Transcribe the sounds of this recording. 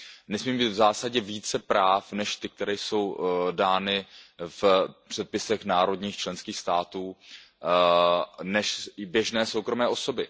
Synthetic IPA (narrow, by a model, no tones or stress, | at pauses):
nɛsmiːmbiːt̪vzaːsaɟɛviːt͡sɛpɾaːfnɛʃt̪ɪk̚t̪ɛɾɛjso̞wdaːnɪfpr̝̥ɛt̪̚pɪsɛxnaːɾo̞dɲiːxt͡ʃlɛnskiːxst̪aːt̪uː | nɛʃbjɛʒnɛːso̞wkɾo̞mɛːʔo̞so̞bɪ